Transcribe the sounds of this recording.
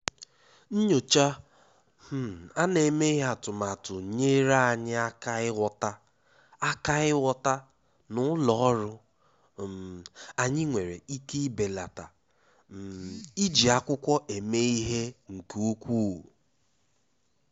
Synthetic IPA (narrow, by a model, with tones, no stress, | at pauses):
n̩˦ɲo˨t͡ʃa˦ | m̩˦˨a˦ne˨me˦i˦ɦa˨tʊ˨ma˨tʊ˨ɲe˦ɾa˦a˨ɲɪ˦a˦ka˦ɪ˦wɔ˦ta˦ | a˦ka˦ɣɪ˦wɔ˦ta˦ | nʊ˦lɔ˨˦ɾʊ˦ | a˨ɲɪ˦ŋʷe˨ɾe˨i˦ki˦i˦be˨la˨ta˨ | m˨i˦d͡ʒi˨a˨kʷʊ˦kʷɔ˦ʔe˨me˦i˦ɦe˦ŋ̩˨ku˦kʷu˦˨